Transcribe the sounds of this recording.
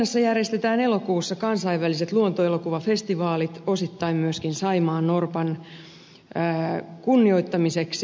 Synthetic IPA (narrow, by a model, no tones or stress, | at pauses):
ɑsːɑjærjest̪et̪æːnelokuːsːɑkɑnsɑiʋʋæliset̪luont̪oelokuʋɑfest̪iʋɑːlit̪osit̪ːɑimmyøskinsɑimɑːnnorpɑn | kunːioit̪ːɑmiseks